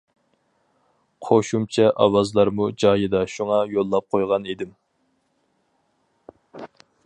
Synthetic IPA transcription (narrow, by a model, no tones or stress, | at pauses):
qʰoʃumt͡ʃʰɛʔɑwɑzlˠɑɾmud͡ʒɑːjɨd̪ɑʃuŋɑjolˠːɑp̚qʰojʁɑnid̪ɪm